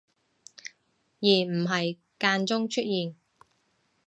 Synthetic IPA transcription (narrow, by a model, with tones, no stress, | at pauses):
jiː˨˩m̩˨˩ɦɐ˨j | kaː˧nt͡sʊ˥ŋt͡ʃʰɵ˥t̚jiː˨n